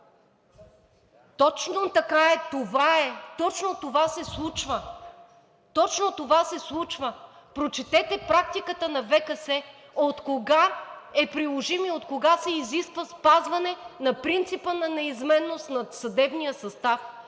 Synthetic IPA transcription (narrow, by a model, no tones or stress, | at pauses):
t̪ɔt͡ʃnot̪ɐkaɛt̪ovaɛt̪ɔt͡ʃnot̪ovasɛslˠut͡ʃvə | t̪ɔt͡ʃnot̪ovasɛslˠut͡ʃvəpɾot͡ʃɛt̪ɛt̪ɛpɾak̚t̪ikət̪ənɐvɛkɐsɛ | ot̪koɡaɛpɾilˠoʒimiot̪koɡasɛiziskvəspazvɐnɛnɐpɾint̪sipənɐnɛizmɛnːost̪nɐt̪sɐd̪ɛbnijəsɐst̪af